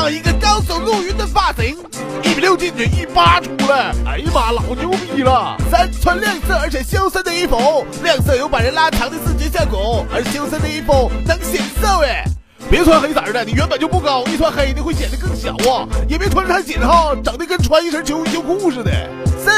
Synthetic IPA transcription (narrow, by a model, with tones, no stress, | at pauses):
ɑ˥˩ŋi˧˥ɡə˧kɑ˥ʊso˨˩lu˥˩y˧˥nd̪ə˨˩fa˥˩si˧˥ŋ | i˥˩pljo˥˧ʊt͡ɕi˥˩nʈ͡ʂə˧˥˩i˥˩pa˥ʈ͡ʂʰu˧˥lə˧ə̰˧˥ɪma˨˩lɑ˨˩˦ʊt͡ɕjo˥˧ʊpi˥˩lə˨sa˥nt͡sʰwa˥nljɛ˥˧ŋsɤ˥˩ə˞˧˥t͡ɕʰjɛ˧˥ɕjɑ˥sə˥nd̪ə˧i˥˩fo˧˥˦ʊljɑ˥˧ŋsɤ˥˧jo˧˥ʊpa˨˩ɻə˧˥nla˥˧t̪ʰɑ˧˥ŋd̪ə˧sɹ̩˥˩t͡ɕjɛ˧˥ɕ̬ja˥˩ko˨˧˥ʊə˞˧˥t͡ɕʰɕjs̬ə˥nd̪ə˧i˥˩fo˧˥ʊnə˧˥ŋ˥˩ɕjɛ˨˩n˧˥sə˥˧we˥˩ | pɛ˧˥˧tʰwa˥nxe˧˥sa˨˩ɻə˧˥a˧˩ni˨˩ɥɛ˧˥nbə˨˩nt͡ɕjo˥˧ʊpu˥˩kɑ˥˩ʊi˥˩t̪ʰwa˧˥nxe˧˥ɪ˧ni˧˥xwe˥˩ɕjɛ˨˩nd̪ə˦˥kɤ˥˩ŋɕjɑ̰˨˩˦ʊwɔ˥˩jɛ˨˩pɛ˥t̪ʰw̩˧˥tʰa˧˥ɕ̬jɛ˨˩ɻa˧˥xo˥˩ʊʈ͡ʂɑ˨˩ŋt̪i˥˧kə˥˩nʈ͡ʂʰwa˧˥ni˥˩ʂʰə˧˥t͡ɕʰjo˧˥ʊ˧˩t͡ɕʰjo˧˥ʊku˥u˥˧ʂɻ̩˥˩d̪ə̰˨˩ | sə˥